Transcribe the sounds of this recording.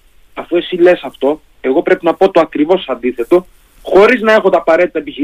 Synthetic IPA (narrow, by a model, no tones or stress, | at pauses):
ɐfue̞sile̞sɐft̪o̞ | e̞ɣo̞pɾe̞pinɐpo̞t̪o̞ɐkɾivo̞sɐnd̪iθe̞t̪o̞ | xo̞ɾiznɐe̞xot̪ɐːpɐɾe̞t̪it̪ɐepiçi